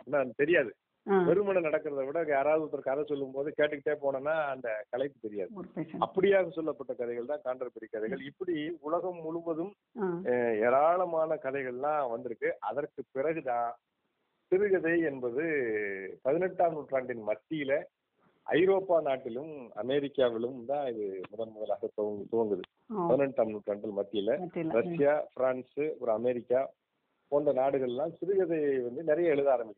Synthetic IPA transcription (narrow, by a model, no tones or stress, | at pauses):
nːaːnd̪ɐt̪ɛɾɪjaːðɯ | pɛɾɯmɐɳɐnɐɽɐkːɯɾɐðɐʋɪɽɐaːɾaːʋðɯɔt̪ːɐɾkɐðɐsɔlːɯmpoːðɯkeːʈːɯkːɪʈːeːpoːɳɐnːaːɐnd̪ɐkɐlɐɪt̪ːɯt̪ɛɾɪjaːðɯɐpːɐɽɪjaːɣɐsɔlːɐpːɐʈːɐkɐðɐɪɣɐɭt̪ãːkaːɳɖɐɾpɛɽikːɐðɐɪɣɐɭɪpːɐɽiʊɭɐɣɐmːʊɻɯbɐðɯm | ɛːɾaːɭɐmaːnɐkɐðɐɪɣɐɭlãːʋɐnd̪ɪɾɯkːɯʔɐðɐrkɯpɪɾɐɣɯðãː | t̪ɪɾɯɣɐðɐɪɛnbɐðɯ | pɐðɪnɛʈːaːmnuːʈraːɳɖɪnmɐt̪ːɪjɪlɐ | ʔɐ̰ɪɾoːpːaːnaːʈːɪlɯmɐ̰mɛɾɪkːaːʋɪɭɯmd̪ãːɪðɯmʊðɐnmʊðɐlaːɣɐt̪oɐŋt̪oːʋɐŋɡɯðɯ | pɐðɯnɛʈːaːmnuːʈɾaːɳɖɪlmɐt̪ːɪjɪlɐt̪ːɾɐʂɪjaːfɪɾaːnsɯɔɾɯɐmɛɾɪkːaː | poːndrɐnaːɽɯɣɐɭɛlːãːsɪɾɯɣɐðɐɪɐʋɐnd̪ɯnɪɾɐjɐɛɭɯðaːɾɐmbɪkː